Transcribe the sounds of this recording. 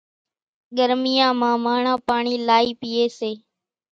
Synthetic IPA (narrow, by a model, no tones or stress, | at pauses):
ɠəɾmɪjãːmãːmaːɳãːpaːɳiːlaːiːpiːeːseː